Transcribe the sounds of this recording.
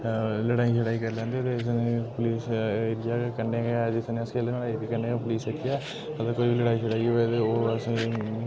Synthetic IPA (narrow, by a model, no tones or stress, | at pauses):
ləɽaːiːt͡ʃʰəɽaːikəɾlɛ̃ːnd̪et̪eɪsnepʊliːseːɾɪjaːkəɳɖeed͡ʒɪsneːəskʰeːlenəɽaːbikəɳɖeːpʊliːseɾiaː | əd̪əkoːibiləɽaːit͡ʃʰəɽaːioʋed̪eoːəs